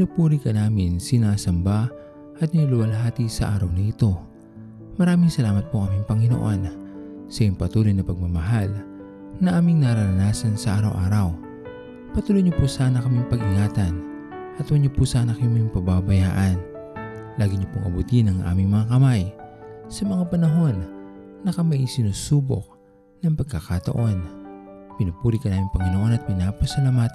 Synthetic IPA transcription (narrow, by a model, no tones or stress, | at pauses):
lupuːɾikɐnaːmɪnsɪnaːsɐmba | ʔɐt̪̚nɪɐlʊwɐlɦaːt̪isɐ̰ʔa̰ːɾɐwnɐʔɪt̪o̞ | mɐɾaːmɪŋsɐlaːmɐt̪̚pokɐmiŋpɐŋɪno̰ʔon | sɐjʊŋpɐt̪uːlo̞jnɐpɐɡ̚mɐmɐɦal | nɐʔaːmɪŋnɐɾɐɾɐnaːsɐnsɐʔaːɾɐwʔaːɾɐw | pɐt̪uːlojɲopusaːnɐkɐmiŋpɐɡɪŋaːt̪ɐn | ʔɐt̪wɐɲːopusaːnɐkɐʊŋmɐiŋpɐbabɐjaːʔɐn | laːɡɪɲopʊŋʔɐ̰but̪inɐŋʔa̰ːmɪŋmɐŋakɐmajsɐmɐŋapɐnɐɦo̞nːɐkɐmaʔisɪnuːsuːbo̰k̚ | nɐŋpɐɡ̚kːɐkat̪ɐ̰ʔo̞npɪnupuːɾikɐnaːmɪŋpɐŋɪnoʔo̞nɐt̪̚pɪnaːpɐsɐlamat̪